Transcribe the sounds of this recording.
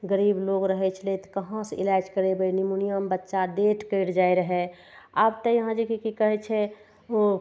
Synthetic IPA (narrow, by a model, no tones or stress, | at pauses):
ɡəɾiːbloɡɾəɦɛt͡ʃʰlet̪kəɦãsḭlad͡ʒkəɾebəinimunijəmbətːʃaɖeʈʰkəɪɽd͡ʒaːiɾəɦɛ | aːbt̪əjəɦãd͡ʒekikikəɦɛt͡ʃʰɛ | o